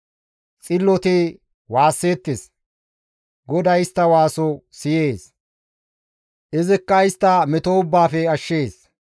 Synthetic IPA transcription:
t͡sʼɪlːɔt̪ɪ | waːsːe̞ːt̪ːes | ɡɔd̪ɐjɪst̪ːɐwaːsɔsɪjeːs | ʔɪzɪkːɐɪst̪ːɐmɛt̪oʊbːaːfɛɐʃːe̞ːs

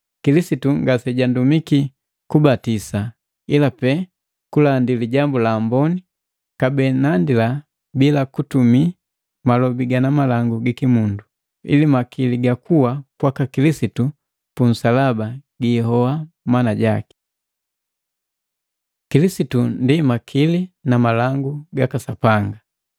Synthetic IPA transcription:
kilisituŋɡasɛɟandumiki | kubatisa | ilapɛ | kulandiliɟambulambɔni | kabɛnandila | bilakutumi | malɔbiɡanamalaŋɡuɡikimundu | ḭlimakʰiliɡakuwakwakakilisitu | pun̩salabaɡiɦɔwa | manaɟaki̥ | kilisitundimakʰilinamalaŋɡuɡakasapaŋɡa

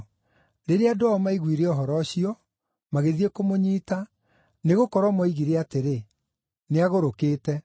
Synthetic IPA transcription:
ɾeɾeadoɔmaiɣwiɾeɔɦɔɾɔɕiɔ | maɣeðiekomoɲiːta | neɣokɔɾwamɔiɣiɾeateɾe | neaɣoɾokeːtɛ

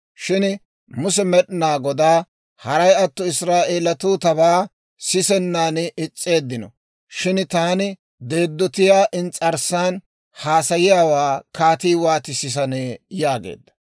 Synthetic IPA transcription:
ʃɪn | mʊs̬ɛmɛɗɪnaːɡɔd̪aː | hɐɾɐjɐt̪ːɔɪsɾaːʔeːlɐt̪uːt̪ɐβaː | sɪsɛnːaːnɪt͡sʼːe̞ːd̪ːɪnɔ̰ | ʃɪnt̪aːnɪ | d̪e̞ːd̪ːɔt̪ɪjaːʔɪnt͡sʼɐɾsːaːn | haːsɐjɪjaːwaːkaːt̪iːwaːt̪ɪsɪs̬ɐneːjaːɡḛːd̪ːɐ̥

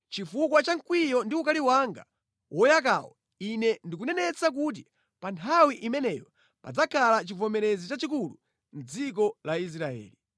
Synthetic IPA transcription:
t͡ʃifukwat͡ʃaŋkwijɔndiukaliwaŋɡa̰ | wʔɔjak̬a̰wɔ̰ | inɛndikunɛnɛt͡sak̬ut̬i | pantʰawiʔimɛnɛjɔ | pa̰d͡zakʰalat͡ʃivɔmɛɾɛzit͡ʃat͡ʃik̬ulu | n̩d͡zik̬ɔlais̬ɾaɛ̰ːli

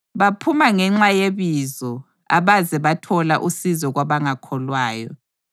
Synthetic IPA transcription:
βapʰumaŋɛŋ͡ǁajeβizɔ | a̰βazɛβatʰɔlaʔusizɔɣwaβaŋakʰɔlwaːjɔ̰

